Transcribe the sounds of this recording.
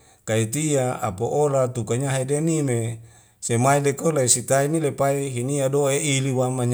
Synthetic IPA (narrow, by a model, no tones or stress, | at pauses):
kait̪iaa̰poʔoɾat̪ukaɲaɦadenime | semailekolaisit̪ainilepaiɦiniadoeiliwamaɲ